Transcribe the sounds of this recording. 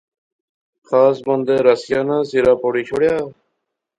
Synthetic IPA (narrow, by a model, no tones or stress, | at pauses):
xʰaːsbənd̪eːɾəsɪjaːnãːsiːɾaːpoːɽiːt͡ʃʰoːɽjaː